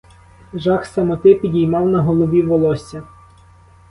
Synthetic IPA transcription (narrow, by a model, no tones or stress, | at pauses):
ʒɑxsɐmɔt̪ɪpʲidʲijmɑwnɐɦɔlˠɔʋʲiʋɔlˠɔsʲɐ